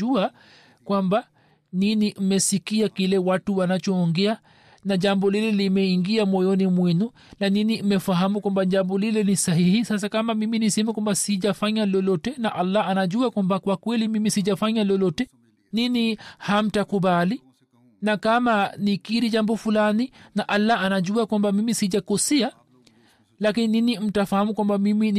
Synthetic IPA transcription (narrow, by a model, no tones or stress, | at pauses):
ua | kwamba | ninim̩mɛsikiakilɛwatuwanat͡ʃɔːŋɡɛa | naʄambɔlilɛlimɛiŋɡiamɔjɔnimwɛnu | naninimɛfaɦamukwambaʄambɔlilɛnisaɦihisas̬akamamiminisɛmɛkwambasiʄafaɲalɔlɔtɛnaʔalːaanaʄuakwambakwakwɛlimimisiʄafaɲalɔlɔtɛ | niniham̩takuɓali | nakamanikiɾiʄambɔfulaninaʔalːaanaʄuakwambamimisiʄakɔsɛa | lakinininim̩tafahamukwambamimin